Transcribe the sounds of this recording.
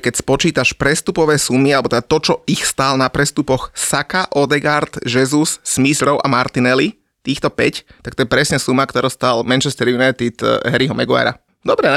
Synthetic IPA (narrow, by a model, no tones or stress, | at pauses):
kɛcspɔt͡ʃiːt̪aʃpɾɛst̪upɔʋɛːsumialɛbɔt̪ɛd̪at̪ɔt͡ʃɔixst̪alnapɾɛst̪upɔxsakaʔɔd̪ɛɡaɾd̪ʒɛzusːmisɾɔʊʔa̰maɾt̪inɛli | t̪iːxt̪ɔpɛct̪ak̚t̪ɔjɛpɾɛsɲɛsumakt̪ɔɾɔːst̪almɛnt͡ʃɛst̪ɛɾjunajt̪it̪ɦɛɾiɦɔmɛɡua̰ɾa̰ | d̪ɔbɾɛ